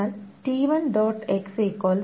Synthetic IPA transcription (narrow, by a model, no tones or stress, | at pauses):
anʈiːʋɐnɖoːʈekseːkːoːl